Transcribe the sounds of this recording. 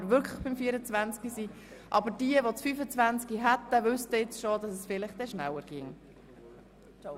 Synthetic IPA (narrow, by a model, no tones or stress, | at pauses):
ɾʋʏɾkʰləχb̥ɪmfiːəɾət͡svænt͡skisi | ʔɑbəɾd̥iəʋot͡sfyːfət͡svænt͡skiɦæt̪ːəʋʏst̪əɪt͡sʃod̪ɑsɛsfɪlɪχd̥̪ɛʃnæwəɾɡ̥ɪŋ